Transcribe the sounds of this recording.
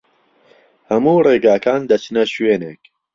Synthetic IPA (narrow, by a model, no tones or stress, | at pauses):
hɐmuːreːɡaːkaːnd̪ɐt͡ʃnɐʃweːneːk